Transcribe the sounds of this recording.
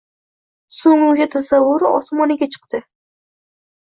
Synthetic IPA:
soŋʊŋɡʲat̪ʰasavːʊɾɒ̰smɒnaɡʲat͡ʃʰɨ̥q̚t̪ɪ

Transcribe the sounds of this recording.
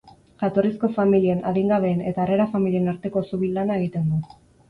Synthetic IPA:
ʝat̪o̞risko̞familie̞na̰ðiŋɡaβe̞ːne̞t̪aːreɾafamilie̞naɾt̪e̞ko̞suβilanae̞ɣ̞it̪e̞nd̪u

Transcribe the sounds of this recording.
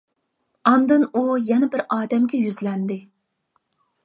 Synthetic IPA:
ɑnd̪ɨnujɛnɛbɪɾɑːd̪ɛmɡʲɛjyzlɛnd̪ɪ

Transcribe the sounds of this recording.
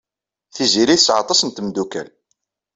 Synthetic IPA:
θiziɾiθəsʕɑ̰t̪ˤɑsənt̪əmd̪ukæ̰l

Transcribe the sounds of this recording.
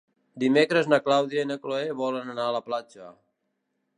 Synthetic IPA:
d̪imekɾəznəklawðjainəkloeβɔlənənaələplat͡ʃə

